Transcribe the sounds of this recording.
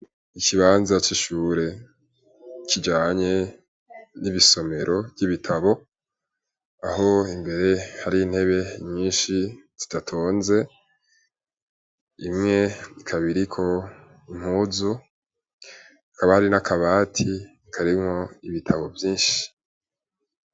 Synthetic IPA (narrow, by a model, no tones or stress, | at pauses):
ikiβaːnzat͡ʃiʃuːɾe̞ | kid͡ʒaːɲe̞ | niβiso̞me̞ɾʔo̞vjiβitʰaβo̞ | aɦo̞imbe̞ɾe̞haɾiːn̥he̞βe̞ɲiːnʃi | ci̥d̥atʰoːnze̞ | imŋe̞ikʰaβiɾikʰo̞ | im̥huːzu | kaβahaɾinakaβaːtʰi | kʰaɾimŋo̞iβitʰaβo̞vjiːnʃi̥